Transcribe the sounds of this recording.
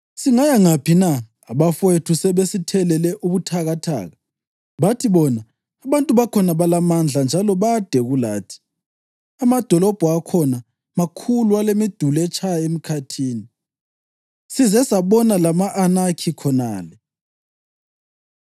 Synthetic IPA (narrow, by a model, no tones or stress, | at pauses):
siŋajaŋapʰinaː | βafwetʰusɛβesitʰɛlɛlɛʔuβutʰaɣatʰa̰ːɣa | βatʰiβɔna | aβantʼuβakʰɔnaβalamand͡ɮʱand͡ʒʱalɔβad̥ʱɛɣula̰ːtʰi̥ | amad̥ʱɔlɔb̥ʱɔakʰɔna | makʰulualemid̥ʱulɛt͡ʃʰʼajaem̩kʰatʰiːni | sizɛsaβɔnalamaʔanakʰikʰɔnaːlɛ